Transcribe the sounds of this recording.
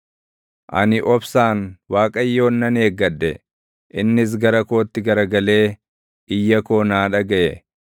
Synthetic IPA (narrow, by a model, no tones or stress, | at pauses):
ʔɐ̰nɪʔɔbsaːnwaːkʼɐjːo̞ːnːɐneːɡːɐdːɛ̰ | ʔɪnːɪs̬ɡɐɾɐko̞ːt̪ːɪɡɐɾɐɡɐle̞ː | ɪjːɐko̞ːnaːᶑɐɡɐʔɛ